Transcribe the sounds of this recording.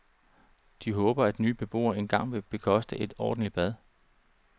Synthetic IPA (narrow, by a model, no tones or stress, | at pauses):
d̥iɦɔ̽ːb̥ɐæd̥nyːb̥e̝b̥o̝̰ːɐe̝nɡ̥ɑ̈ŋ̰ʋe̝b̥e̝kʰɒ̽sd̥əʔe̝d̥ɒ̰ːd̥n̩lib̥æð̞ˠ